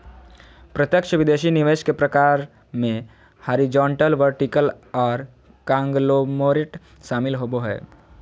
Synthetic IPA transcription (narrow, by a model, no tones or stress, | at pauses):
pɾət̪jəkʃəʋɪd̪eːʃinɪʋeːʃkepɾɐkaːɾ | mẽ | həɾid͡ʒɔ̃ːɳʈəlʋəɾʈikəl | ɔːɾ | kãːŋɡlomoːɾɪʈ | ʃaːmɪlɦoboɦɛ̰ː